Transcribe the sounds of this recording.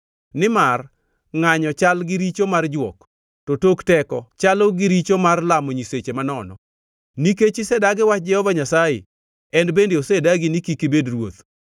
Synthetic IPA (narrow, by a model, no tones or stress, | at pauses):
nɪmar | ŋaɲɔt͡ʃalɡɪɾit͡ʃomard͡ʒwɔk | totoktɛkɔt͡ʃaloɡiɾit͡ʃomarlamoɲiset͡ʃemanɔnɔ̰ | niket͡ʃɪsɛdaɡɪwat͡ʃd͡ʒɛhɔvaɲasajḛ | ɛnbendeosedaɡinikikibedrwo̰t̪